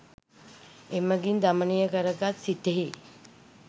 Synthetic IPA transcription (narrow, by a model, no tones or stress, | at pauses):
eməɡind̪amənijəkəɾəɡat̪sit̪eɦi